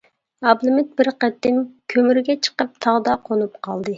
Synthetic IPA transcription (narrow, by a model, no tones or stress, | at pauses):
ɑblˠɨmɪt̪̚bɪɾqɛt̪ːɪmkʲʰømyɾɡʲɛt͡ʃʰə̥qəp̚t̪ʰɑʁd̪ɑqʰonupqʰɑlˠd̪ɨ